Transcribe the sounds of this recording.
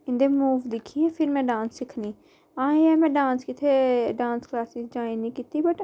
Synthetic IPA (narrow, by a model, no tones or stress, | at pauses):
ɪ̃nd̪eːmuːʋd̪ɪkʰːiɛ̃ːpʰɪɾmɛ̃ːɖãːnsːɪkʰniː | ãːẽɛ̃ːmɛ̃ːɖãːnskɪt̪ʰeːɖãːnsklaːsɪzd͡ʒaːĩnĩːkiːt̪iːbəʈ